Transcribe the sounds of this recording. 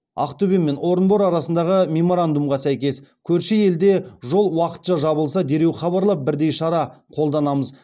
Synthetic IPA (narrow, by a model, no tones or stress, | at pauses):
ɑ̰qt̪ɵbemːe̞no̞ɾənbo̞ɾɑɾɑsənd̪ɑʁəmʲe̞mo̞ɾand̪umʁɑsæjkʲe̞skʲʰɵɾʃeje̞ld̪e̞ʒo̞lˠwɑqə̥t̪ʃɑʒɑβəlˠs̬ɑd̪e̞ɾe̞wχɑβɑɾlˠɑp̚bɪɾd̪e̞jʃɑɾɑqʰo̞lˠd̪ɑnɑməz